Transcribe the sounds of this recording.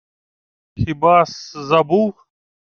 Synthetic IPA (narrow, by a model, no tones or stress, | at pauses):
hibaːszɐbuː